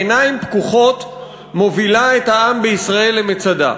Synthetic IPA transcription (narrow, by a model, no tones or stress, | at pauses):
naimpkuχo̞t | mo̞vilaethaambeisʁae̞lːemet͡sad̪a̰